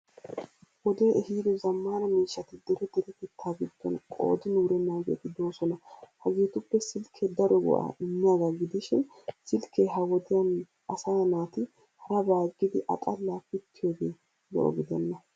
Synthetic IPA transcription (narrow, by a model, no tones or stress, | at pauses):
wɔd̪eːʔɛhiːd̪ɔzɐmːaːnɐmiːʃːɐt̪ɪd̪ɛɾɛd̪ɛɾɛt̪ɪt̪ʰːaːɡɪd̪̥ːɔ̰nkʼo̰ːd̪ɪnuːɾɛmɐːɡɛ̰t̪ɪd̪o̞ːsɔnɐhɐɡeːt̪ʊpːɛsɪlkʰed̪ɐɾɔɡʊ̰ʔa̰ʔɪmːɪjaːɡaɡɪd̪ɪʃɪn | sɪlkʰeɦɐwɔd̪ɪjɐn | ɐsaːnaːt̪ɪ | hɐɾɐbaːɡːɪd̪ɪʔɐ̰t̪ʼɐlaːfɪt̪ʰːɪjoːɡeː | lɛ̰ʔɔ̰ɡɪd̪ɛnːɐ